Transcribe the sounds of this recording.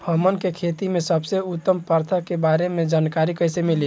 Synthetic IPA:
həmənkekʰet̪imesəbseut̪ːəmpəɾt̪ʰakebaɾemed͡ʒankaɾikəjsemili

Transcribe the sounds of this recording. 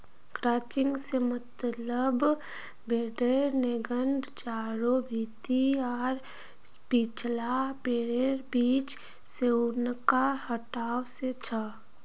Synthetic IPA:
kɾaːt͡ʃɪ̃ŋɡsemət̪ləb | beːɖeɾneɡəɳɖt͡ʃaːɾobʱiːt̪iɔːɾ | pit͡ʃlabeːɖeɾbiːt͡ʃ | seʊnkahəʈaːwset͡ʃʰə

